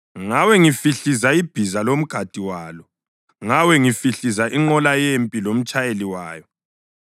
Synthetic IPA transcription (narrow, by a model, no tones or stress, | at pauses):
ŋawɛŋifiɬizaib̥ʱizalom̩ɡ̥ʱad̥ʱiwaːlɔ | ŋawɛŋifiɬizaʔiŋ͡ǃɔlajempʼilom̩t͡ʃʼajeliwaːjɔ